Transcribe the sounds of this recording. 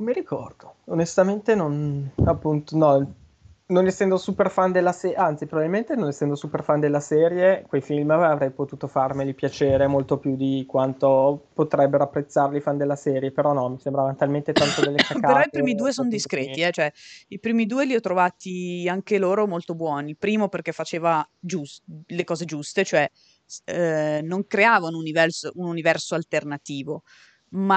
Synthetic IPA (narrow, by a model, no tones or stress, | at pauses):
miɾikʰɔrd̪o̥onest̪ament̪enonapːunt̪onɔ | nonesːɛnd̪osuperfand̪elːasɛʔant̪sipɾobabvilment̪enonesːɛnd̪osuperfand̪elːasɛːɾjekwejfilmaavɾɛjpot̪uːt̪ofarmelipjat͡ʃeːɾemolt̪opjud̪ikwant̪opot̪ɾɛbːeɾoapːɾet̪sːarlifand̪elːasɛːɾjepeɾɔnɔmisembɾavant̪alment̪et̪ant̪odd̪elːeskaaeɾɾɔipɾiːmid̪uːesond̪iskɾeːt̪iɛt͡ʃoɛipɾiːmid̪uːeliɔt̪ːɾovaːt̪iaŋkeloːɾomolt̪obwɔːnipɾiːmoperk̟efːat͡ʃeːvad͡ʒuslekɔːzed͡ʒust̪et͡ʃoɛ | noŋkɾeaːvanounivɛrsoununivɛrsoalt̪ernat̪iːvo | ma